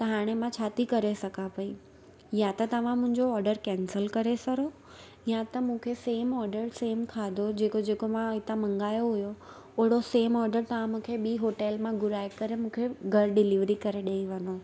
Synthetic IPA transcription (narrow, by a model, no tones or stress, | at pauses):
t̪ɐɦaːɽ̃emãt͡ɕʰaːt̪ikɐɾesɐɡʰʱapɐi | jãt̪ɐt̪ɐʋ̤ãmʊ̃ɦɪ̃ɲd͡ʑoɔːɾɖəɾkɛ̃ːnsəlkɐɾesɐɾo | jãt̪ɐmũːkʰeseːmɔːɾɖəɾseːmkʰaːd̪ʱod͡ʑeːkod͡ʑeːkomãɪt̪amɐ̃ŋɡaːjoɦʊjo | ʊɦɪɽ̃oseːmɔːɾɖəɾt̪ɐʋ̤ãmũːkʰeɓiːɦoːʈeːlmãɡʊɾaːekɐɾemũːkʰeɡʱɐɾɖɪliʋɾikɐɾeɗɐiʋɐno